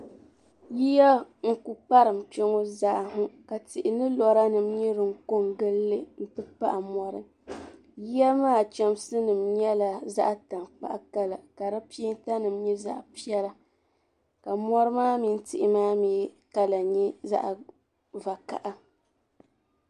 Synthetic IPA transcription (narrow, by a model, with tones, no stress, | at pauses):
ji˦ja˦ŋ̩˦ku˨pa˦ɾɨ˨m̩˨pɛ˦ŋo˦za˨ʔhʊ˦ka˨tɪ˨ʔɪ˨nɨ˦lɔ˨ɾa˦nɨ˨mɲɛ˦ɾɨ˨ŋ˦ko˦ŋɡɨ˦lːɨ˦n̩˦tɨ˦pa̰˦ʔa˨mɔ˦ɾɨ˦ | ji˦ja˦maː˦˨t͡ʃɛ˦msɨ˦nɨ˨mɲɛ˦la˨za̰˦ʔta˨mk͡pa̰˦ʔa˦ka˦la˨ka˨ɾa˦pi˦i˦n˦ta˦nɨ˨mɲɛ˦za̰˦ʔpi˦ɛ˦la˦ | ka˨mɔ˦ɾɨ˦maː˦mi˨n̩˦tɪ˨ʔɪ˨maː˦miː˨˦ | ka˦la˨ɲɛ˦za̰˦ʔ | va˨ka̰˨ʔa˦